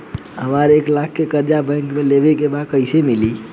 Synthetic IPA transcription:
ɦəmaɾeːklakʰkːekəɾd͡ʒabɛ̃ŋkmẽlebekebakəɪsemili

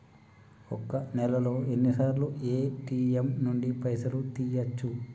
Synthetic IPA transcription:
ɔkːɐnɛlɐlo̞ːe̞nːisaːɾluʔeːʈiːemnuɳɖipɐjsɐlut̪iːjɐt͡ʃːu

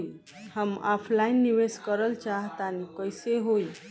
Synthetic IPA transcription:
həma̰pʰlainːiʋeskəɾəlt͡ʃaɦt̪anikəjseɦoi

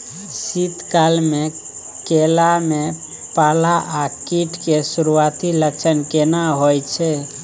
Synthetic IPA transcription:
sit̪kalme | kelame | palaʔakiʈkesuɾuat̪ilət͡ʃʰənkenaɦojt͡ʃʰɛ

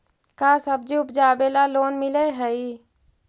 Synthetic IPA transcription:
kasəb̚d͡ʒiupd͡ʒabelalonmiləɦəi

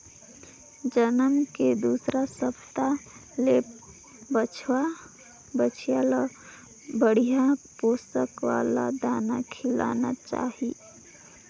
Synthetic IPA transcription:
d͡ʒənəmked̪usɾasəpt̪alep | bət͡ʃʰwa | bət͡ʃʰijala | bəɽijapost̪əkʋa̰la̰d̪aːnakʰɪla̰na̰t͡ʃa̰ɦi

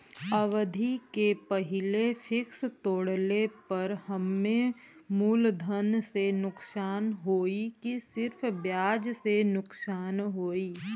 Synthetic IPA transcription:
əʋd̪ʱikepɐɦɪlefʰɪkst̪oːɽlepɐɾhəmːẽ | muːld̪ʱənsenʊksaːnɦoːikisɪɾfʰbjaːd͡ʒsenʊksaːnɦoːiː

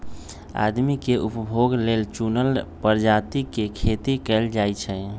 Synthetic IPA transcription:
a̰d̪mikeʔupəbʱoɡlelt͡ʃunəlpəɾd͡ʒat̪ikekʰet̪ikɛld͡ʒajt͡ʃʰɛ

